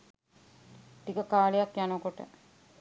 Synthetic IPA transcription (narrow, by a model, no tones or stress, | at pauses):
ʈ̪ikəkaːlejakjanokoʈə̰